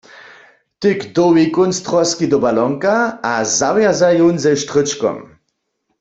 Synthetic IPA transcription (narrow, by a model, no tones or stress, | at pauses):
t̪ɪkd̪ɔwikunst̪ʁɔskid̪ɔbalɔŋkaazavjazajunzɛʃt̪ʁɪt͡ʃkɔ̰m